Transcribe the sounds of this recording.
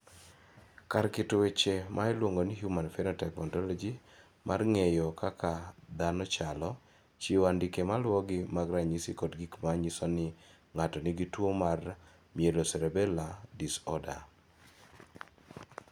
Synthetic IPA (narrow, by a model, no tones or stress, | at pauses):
kaɾkɪtʊwet͡ʃemʔaɛlwoŋɡonɪɦjumanfɛnɔtɛkmɔntɔlɔd͡ʒi | mʔarŋejɔkakad̪anɔt͡ʃalɔ | t͡ʃiwandikemalwɔɡɪmaɡɾaɲisikɔdɡikmaɲisɔnɪ | ŋatɔniɡitwomar | mjelosɛɾɛbɛladisɔda̰